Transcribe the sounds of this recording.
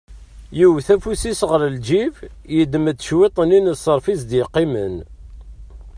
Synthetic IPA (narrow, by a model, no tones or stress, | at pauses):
jiwθæfusisʁəɾəld͡ʒivjəd̪əmət͡s̪ːə̥ʃwet̪ˤəninəsːəɾˤfizd̪jqːimə̰n